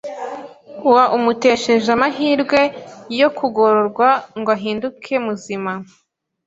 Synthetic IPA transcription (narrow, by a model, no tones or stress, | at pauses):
uwaʔumute̞ʃe̞ʒamaɦiːɾɡwe̞jo̞kʰuɡo̞ɾoɾɡwaŋɡoaɦiːndukʰe̞muzima